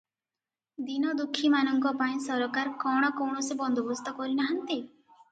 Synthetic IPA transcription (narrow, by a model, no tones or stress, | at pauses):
d̪inɔd̪ukʰːimanɔŋkɔpaĩsɔɾɔkaɾkɔɽ̃ɔkɔwɳ̃ɔsebɔnd̪ʱɔbɔst̪ɔkɔɾinaɦant̪i